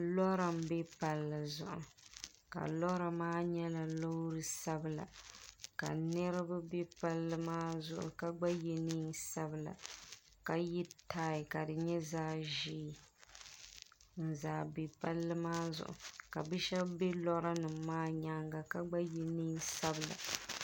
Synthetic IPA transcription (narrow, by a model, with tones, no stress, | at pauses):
lɔ˦ɾa˨m˦bɛ˦pa˨lːɨ˨zʊ̰˨ʔʊ˨ | ka̰˨lɔ˦ɾa˨maː˦ɲɛ˦la˨lo˦hɾɨ˦sa˦bɨ˦˨la̰˨ka˨nɨ˦ɾa˦ba˦bɛ˦pa˦lːɨ˦maː˦zʊ̰˨ʔʊ̰˨ka˦ɡ͡ba˦jɛ˨ni˦nsa˦bɨ˨la̰˨ | ka˨ji˦taː˦˨ka˨dɨ˨ɲɛ˦zaː˦ʒi˦˨ | n̩˦zaː˨be˨pa˦lːɨ˦maː˦zʊ̰˨ʔʊ̰˨ka˨bɨ˦ʃɛ˦bbɛ˦lɔ˦ɾa˦nɨː˨aː˦ɲa˦ŋɡa˨ka˦ɡ͡ba˦ji˦ni˦nsa˦bɨ˨la̰˨